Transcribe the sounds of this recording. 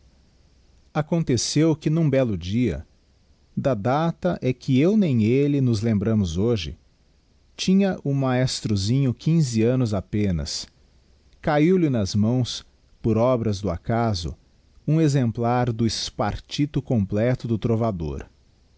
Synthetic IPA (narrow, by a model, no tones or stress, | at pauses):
akõnt̪esewkɪnũbɛlʊd͡ʒiɐ̰ | d̪ɐd̪at̪ɐʔɛkʰɪewnẽj̃elɪnʊzlẽmbɾɐ̃mʊzoʒɪ̰ | t͡ʃĩɲɐʔʊmaɛst̪ɾʊzĩɲʊkʰĩzɪɐ̃nʊzapẽnɐ̰s | kaiwlɪnɐzmɐ̃w̃s | poɾɔbɾɐzd̪ʊa̰kazʊ̰ | ũezẽmplaɾd̪ʊɪspa̰ɾt͡ʃit̪ʊkõmplɛt̪ʊd̪ʊt̪ɾovad̪o̰ɾ